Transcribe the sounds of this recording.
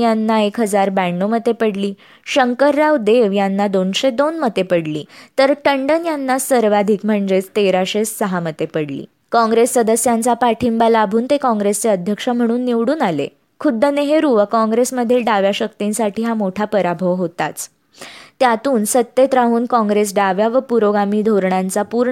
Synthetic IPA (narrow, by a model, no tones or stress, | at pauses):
janːaekɦəd͡zaɾbæɳːomət̪ːepəɽliː | ɕəŋkəɾːawd̪eʋjanːad̪onɕed̪onmət̪epəɽlḭːt̪əɾʈəɳɖənjanːasəɾʋad̪ʱikm̤əɳd͡zet͡st̪eɾaɕesːəɦamət̪epəɽlḭː | kɔ̃ŋɡɾesːəd̪əsjant͡sapaʈʰimbalabʱuːnt̪ekɔ̃ŋɡɾest͡seəd̪ʱjəkʂəm̤əɽ̃uːnːiʋɽuːnalḛ | kʰud̪ʱːəneɦeɾuʋəkɔ̃ŋɡɾesməd̪ʱiːlɖaʋjaɕək̚t̪insaʈʰiːɦamoʈʰapəɾabʱəʋɦot̪at͡s | t̪jat̪uːnsət̪ːet̪ɾaɦuːnkɔ̃ŋɡɾes̬ɖaʋjaʋəpuɾoɡamiːd̪ʱoɾɳant͡sapuɾɳ